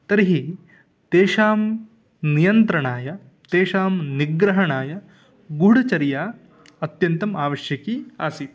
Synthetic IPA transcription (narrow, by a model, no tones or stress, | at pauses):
t̪ɐɾiɦi | t̪eːʃaːm | nijɐnt̪ɾɐɳaːjɐ | t̪eːʃaːmniɡɾɐɦɐɳaːjɐ | ɡuɽɐt͡ʃɐɾjaː | ɐt̪jɐnt̪ɐmaːʋɐʃjɐkiːaːsi